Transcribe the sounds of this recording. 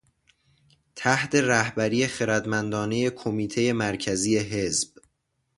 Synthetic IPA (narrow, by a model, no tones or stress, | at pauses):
t̪ʰæht̪ʰe̞ɾæhbæɾije̞xe̞ɾæd̪mænd̪ɒːne̞je̞kʰo̞miːt̪ʰe̞je̞mæɾcʰæziːe̞ɦe̞zb̥